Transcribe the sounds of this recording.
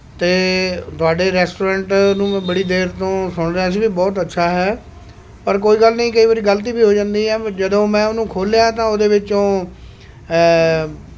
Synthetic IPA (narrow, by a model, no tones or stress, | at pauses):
t̪eːt̪ʊaːɖeːɾɛːsʈoːɾɛ̃ːɳʈnũːbəɽiːd̪eːɾt̪õːsʊɳ̃d̪aːəs̬ĩːbiːbɔːt̪ətːʃʰaːɦɛː | pəɾk̬oːiːɡəlnəĩːkəiːʋaːɾiːɡəlt̪̬iːbiːɦoːd͡ʒãːnd̪iːɦɛːd͡ʒəd̪õːmɛ̃ːʊnũːkʰoːlejãːt̪ãːoːd̪eːʋɪt͡ʃõː